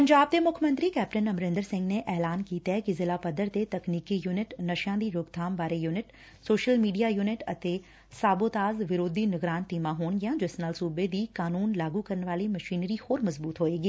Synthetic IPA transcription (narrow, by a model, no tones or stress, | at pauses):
pɐ̃ɲd͡ʑaːb̚t̪emʊkʰəmɐ̃nt̪ɾikɛːpʈənɐmɾɪ̃nd̪əɾsɪ̃ŋɡnẽʔɛːlaːnkiːt̪ɛɦkizɪlapɐd̪əɾt̪et̪ɐkniːkijuːnɪʈnɐʃjãːd̪iːɾʊɡd̪ʱaːmbaːɾejuːnɪʈ | soːʃəlmiːɖijajuːnɪʈɐt̪e | saːboːt̪aːzʋɪɾoːd̪inɪɡɾaːnt̪imãɦuːñjãd͡ʒɪsnaːlsuːbed̪iːkaːnuːnlaːɡukɐɾəñʋaːlimɐʃiːnɾihoːɾmɐzbuːt̪ɦoːeɡiː